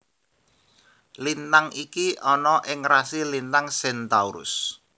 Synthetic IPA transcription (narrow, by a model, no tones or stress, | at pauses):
lint̪aŋikiʔɔnɔʔɪŋrasilint̪aŋsɛnt̪auɾʊ̰s